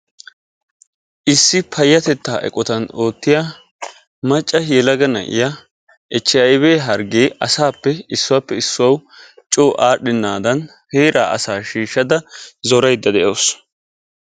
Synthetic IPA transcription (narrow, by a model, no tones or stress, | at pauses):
ʔɪsːɪpʰɐjːɐt̪ɛt̪ːaːʔɛ̰kʼːɔt̪ɐno̞ːt̪ːɪja | mɐt͡ʃʼːɐjɛlɐɡɐnɐ̰ʔɪ̰ja | ʔɛt͡ʃːɪjɐɪβeːɦɐɾɡeːɐsaːpːɛɪsːʊwaːpːɛɪsːʊwɐwt͡ʃʼoːʔaːɗːɪnːaːd̪ɐn | heːɾʔa̰ːʔɐ̰saːʃiːʃːɐd̪ɐzɔɾɐjd̪ːɐd̪ɛʔoːs